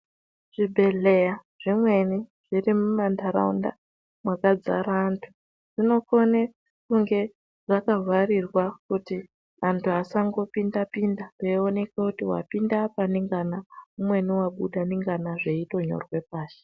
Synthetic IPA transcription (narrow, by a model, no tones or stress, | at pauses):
ʐ̥ibʱe̞ɮe̞ja | ʐ̥imwe̞niʐ̥irimumandaɾa̰ṵnda̰ | mwakad͡za̰ɾantʰu̥ | ʐ̥ino̞kone | kuŋɡe̞ | ʐakavarirwakuti | antʰuasaŋɡo̞pindapindareone̞kakutiwa̰pindapaniŋɡanaumwe̞niwaɓuɗaniŋɡanaʐe̞ito̞ɲo̞̰rwe̞paːʃe̥